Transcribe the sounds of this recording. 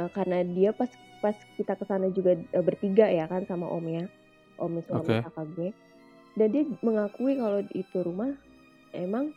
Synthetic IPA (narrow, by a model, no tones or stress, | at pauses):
əkarənadiapaspaskit̪akəsanad͡ʒuɡaəbərp̪iɡaʔjakansama̰ʔo̰mɛja | ʔomɛsuamaakaɡuɛ | dandiaməŋakuikaloḭt̪uɾumah | emaŋ